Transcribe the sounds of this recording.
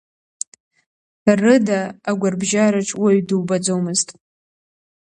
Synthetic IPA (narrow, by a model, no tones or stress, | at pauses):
rɨdaːɡʷarbʒaɾaʈ͡ʂʼwaɥdɨwbad͡zowmɨztʼ